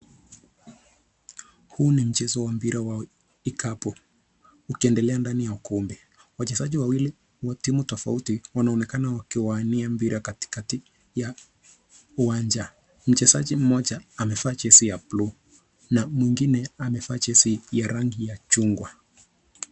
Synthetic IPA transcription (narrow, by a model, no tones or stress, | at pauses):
huːnim̩t͡ʃɛzɔwampiɾʔawa | ikʰapɔ | ukiɛndɛlɛandanijaukɔmbi | wat͡ʃɛzaʄiwawili | huwatimutɔfa̰utiwanaɔnɛkanawakiwaniampiɾakati̥kati | ja | uwaɲd͡ʒa | m̩t͡ʃɛzaʄim̩mɔʄaːmɛfaːt͡ʃɛsijaplu | namwiŋɡinɛamɛfaːt͡ʃɛsijaɾaŋɡijat͡ʃuŋɡwa